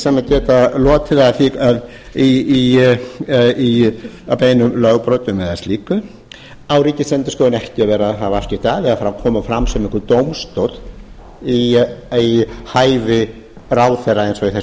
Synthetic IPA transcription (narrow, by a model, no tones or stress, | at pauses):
saːmacɛːt̪alɔːt̪ʰɪðaθiað | ii | i | apeːjnʏmlœɣpɾɔːt̪ʏmɛðast̪liːkʏ | awɾiːcɪsɛnt̪ʏskɔːwɪnɛhcɪavɛːɾaðɦavaafc̪ɪ̥t̪aːðɪafaːɾakʰɔːmafɾamsɛmɪŋkʏɾt̪owmst̪owt̪ | iihaːjvɪ | raːwθɛraɛnsɔiθɛ